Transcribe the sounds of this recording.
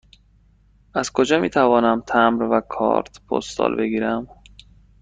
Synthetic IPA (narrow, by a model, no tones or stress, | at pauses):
ʔæzkʰo̞d͡ʒɒːmiːt̪ʰævɒːnæmt̪ʰæmɾvækʰɒ̰ːɾt̪ʰpʰo̰st̪ɒ̰ːlbe̞ɡiːɾæm